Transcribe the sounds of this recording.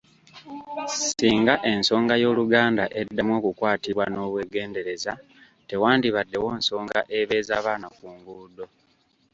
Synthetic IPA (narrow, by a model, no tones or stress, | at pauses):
siːŋɡaʔe̞nso̞ːŋɡajo̞ːluɡaːndaʔe̞dːamwo̞ːkukwaːtiβwano̞ːβwe̞ːɡe̞ːnde̞ɾe̞za | te̞waːndiβadːe̞wo̞ːnso̞ːŋɡa̰ʔe̞βe̞ːzaːβaːnakuːŋɡuːdo̞